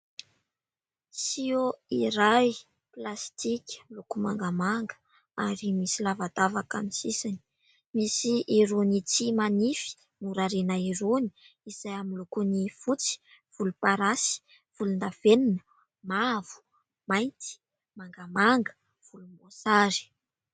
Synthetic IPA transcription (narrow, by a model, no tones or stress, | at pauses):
sioiɾaj | plast̪ikʲlukuma̰ŋɡamaŋɡə̥ | aɾimisilavad̪avakamisisani̥ | misiʔiɾunit͡simanifi̥ | muɾaɾenaiɾuni̥ | iz̥ajamilukunifut͡si̥ | v̥ulupaɾasi̥ | v̥ulund̪av̥eninə | mavu̥ | majnt̪i̥ | maŋɡamaŋɡə̥ | v̥ulumosaɾi̥